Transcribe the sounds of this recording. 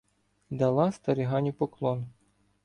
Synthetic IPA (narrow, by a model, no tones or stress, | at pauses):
d̪ɐlˠɑst̪ɐɾʲiɦɑnʲipɔklˠɔn